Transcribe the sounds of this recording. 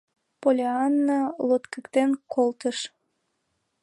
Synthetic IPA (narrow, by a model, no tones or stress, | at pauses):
polʲeɑnːɑlot̪kəkt̪enkʰolt̪əʃ